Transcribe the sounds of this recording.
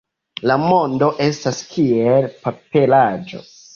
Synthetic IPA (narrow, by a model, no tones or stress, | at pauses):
lamo̞ndo̞ʔe̞staskʰielpape̞lad͡ʒo̰